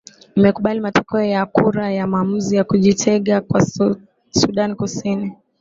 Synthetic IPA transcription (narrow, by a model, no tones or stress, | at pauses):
imɛkuɓalimatɔ̥kɛɔjakuɾajamaːm̩zijakuʄitʰɛɠakwa | suɗanikusini